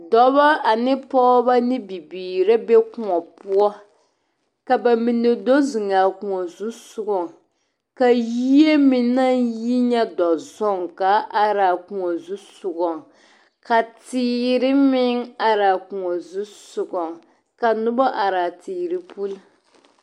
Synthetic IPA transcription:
dɔ˦ba˦a˨nɪ˦pɔ˦ba˦nɪ˦bi˨biː˨ɾa˦be˦kʊ˨ŋɔ˨pu˦ɔ˦ | ka˨ba˨mi˨nɪ˨do˦zɪ˨ŋa˨ku˨ŋɔ˨zu˦sʊ˦ɡɔ˨ŋ | ka˨ji˦e˦mɪ˨nːa˦ji˦ɲɛ˦dɔ˨zɔ˦˨ŋka˦ʔa˦ɾa˨ku˨ŋɔ˨zu˦sʊ˨ɡɔ˨ŋ | ka˨tiː˦ɾɪ˦mɪ˦ŋa˨ɾaː˨ku˨ŋɔ˨zu˦sʊ˨ɡɔ˨ŋ | ka˨nʊ˦bɔ˦ʔa˨ɾa˨tiː˨ɾɪ˦pu˦l

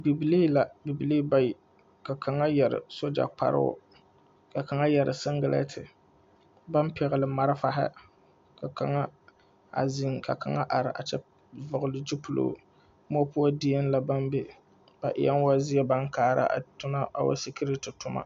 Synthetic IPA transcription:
bi˨bi˨li˦la˨bi˨bi˨liː˦ba˦jɪ˨ | ka˨kʰa˨ŋa˦jɛ˨ɾɪ̰˨so˦d͡ʒa̰˨k͡pa̰˨ɾɨ̰˦ʊ̰˦ | ka˨ka˨ŋa˦jɛ˨ɾɪ˨sɨ˦ŋɡɪ˦lɛ̰˦tʰɪ˨ | ba˦npɛ˨ɣɪ˨lɨ˨ma˦ɾɪ˦fa˨ɦɪ̰˦ | ka˨ka˨ŋa˦ | a̰˨zɪ˨ŋka˨ka˨ŋa˦ʔa˨ɾɪ˨ʔa̰˨t͡ʃɛ˦ | vʊ˨ɣʊ˨lɨ˦d͡ʒi˦pʊ˨lo̰˨ | m˦ɔ˦pʊ˦a˦di˦a˦nla˨ba˦nbe˦ | b̥a˨ʔɪ̰˨ja˦n˦wa˦zɪ˦ɛ˦ba˦ŋkaː˦ɾa̰˦ʔa̰˨tʊ˦na˦a˨wa̰˦si˦ki˦ɾi˦tɪ˨tʊ˦ma̰˦

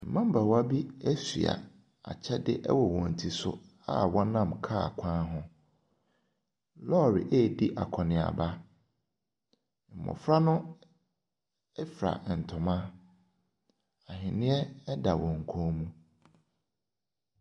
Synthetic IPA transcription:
m̩˨mã˦m̩˦ba˨wa˦bi˦ɛ˦si˨a̰˨ | a̰˨t͡ɕʰɛ˦dɪ˦ʔɛ̰˦wɔ˨wɔ̃˨n̩˨tʰi˨sʊ̰˦ | a̰˦wɔ˦nã˦˨mkʰa˦a˨kʷʰãː˦ɦʊ̃˦ | lɔ˦˨ɾɪ̰˨ʔe˦˨di˦ʔa̰˨kʰɔ˨nɪ̃˨a̰˨ba˦ | m̩˨mɔ̰̃˨fɾa˦nʊ̃˦ | ɛ˦fɾa̰˨n̩˨tʰʊ̃˨mã˦ | a˨ɦɪ̃˨nɪ̃˦ɛ˦da˨wɔ̃˨ŋ̩˨kʰõː˦mũ˦

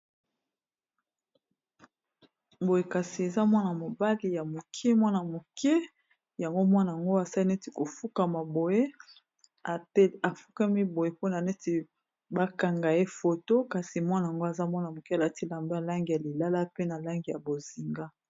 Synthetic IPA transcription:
bo˨je˨ka˨si˨e˨za˦mwa˦na˨mo˨ba˦li˨ja˨mo˨kʰe˦mwa˦na˨mo˨ke˦ | ja˨ŋɡo˦mwa˦na˨a˨ŋɡo˦a˨sa˦li˦nɛ˦ti˨ko˨fu˦ka˨ma˨bo˨je˦ | a˨˦a˨fu˦ka˦mi˦bo˨je˨po˦na˨nɛ˦ti˨ | ba˦ka˨ŋɡa˨e˦fo˨to˦ka˨si˨mwa˦na˨a˨ŋɡo˦a˨za˦mwa˦na˨mo˨ke˦a˨la˦ti˦la˨mba˦˨la˦ŋɡi˨ja˨li˨la˦la˦pe˦na˨la˦ŋɡi˨ja˨bo˨zi˨ŋɡa˦

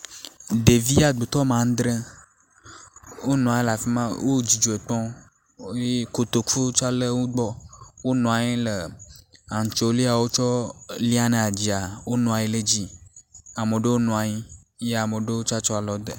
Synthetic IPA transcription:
ɖe˨vi˦a˨ɡ͡bo˨t̪ɔ˦mã˨˦d̪ɾẽ˦ | wo˦nɔ̃˨a˨ji˦la˨fi˦mã˦wʔo˦d͡ʑi˨d͡ʒo˨e˨k͡pɔ̃˦ | je˦ko˨t̪o˨ku˦t͡ʃa˦le˦wo˦ɡ͡bɔ˦wo˦nɔ̃˨a˨ɲi˦le˨a˨ŋ̩˨t͡ʃo˦li˦a˨wo˦t͡ʃɔ˦li˦a˦nẽ˨a˨d͡ʑi˨a˨wo˦nɔ̃˨a˨ji˦le˦d͡ʑi˦ | a˨mə˨ɖe˦wo˦nɔ̃˨a˨ɲi˦ | je˦a˨me˨ɖe˦wo˦t͡ʃa˦t͡ʃɔ˦a˨lɔ˦d̪ḛ˨

